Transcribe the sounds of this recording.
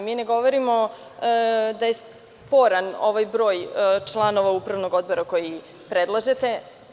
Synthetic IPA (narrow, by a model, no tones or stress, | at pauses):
miːne̞ɡo̞ʋoɾimo̞ | d̪ajes | po̞ɾano̞̰ʋajbɾo̞ːjt͡ʃlˠano̞ʋaupɾaʋno̞ɡo̞d̪̚bo̞ɾako̞ji | pɾed̪lˠaʒet̪e̞